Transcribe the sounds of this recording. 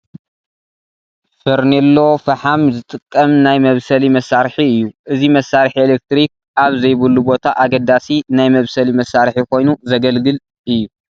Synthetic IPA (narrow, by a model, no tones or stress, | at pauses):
fɨɾnilːofɐħamzɨt̪ʼɨkʼːɐmnajmɐβsɐlimɐsːaɾħiɨjːuʔɨzimɐsːaɾħielek̚t̪ɾik̚ | aβzɐjβɨlːubo̞t̪ʰaʔaɡɐd̪asinajmɐβsɐlimɐsːaɾħikʰo̞jnuzɐɡɐlɡɨl | ʔɨjːu